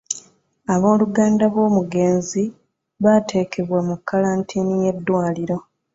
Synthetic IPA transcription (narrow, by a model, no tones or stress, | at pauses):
aβo̞ːluɡaːndaβwo̞ːmuɡe̞ːnzi | βatʰe̞ːkʰe̞βwamukːalaːntʰiːnije̞dːwaːliɾo̞